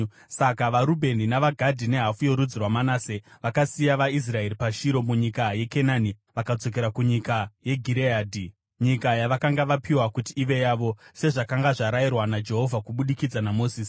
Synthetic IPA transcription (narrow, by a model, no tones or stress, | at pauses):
sakaʋaɾubʱe̞ninaʋaɡʱadʱine̞ɦafujo̞ɾud͡zirwamanaːseʋakasijaʋais̬rae̞ɾipaʃiɾo̞muɲikaje̞kenani | ʋakad͡zo̞k̬e̞ɾakuɲikaje̞ɡʱiɾeaːdʱi | ɲikajaʋakaŋɡaʋapiwakutiːʋe̞jaʋo̞se̞ʐakaŋɡaʐaɾajirwanad͡ʒe̞ɦo̞vʱakuɓuɗikid͡zanamo̞ːsiːsi̥